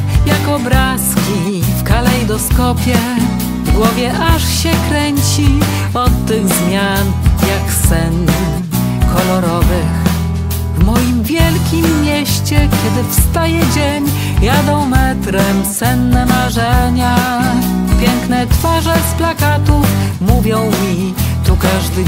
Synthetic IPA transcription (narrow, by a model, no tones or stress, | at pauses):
jakɔbɾaskʲi | fkalɛjd̪ɔskɔpʲjɛ | vɡwɔvʲjɛʔaʂɕɛkɾɛɲt͡ɕi | ɔt̪ːɘɣzmʲjanjaksɛn | kʰɔlɔɾɔvɘx | vmɔjimvʲjɛlkʲimːʲjeɕt͡ɕɛkʲjɛd̪ɘfst̪ajɛd͡ʑeɲ | jad̪ɔ̃w̃mɛt̪ɾɛmsɛnːɛmaʐɛɲa | pʲjɛŋknɛt̪faʐɛsplakat̪ufmuvʲjɔ̃w̃mʲi | t̪ukaʐd̪ɘ